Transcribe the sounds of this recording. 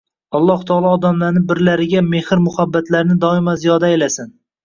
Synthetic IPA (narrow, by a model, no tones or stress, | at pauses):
ɒlˠːɒht̪ʰɒːlˠɒːd̪amlaɾnɪbɪɾlaɾɪɡʲame̞hɪɾmʊhabːat̪ʰlaɾnɪd̪ɒɪmazijɒd̪aelasɪn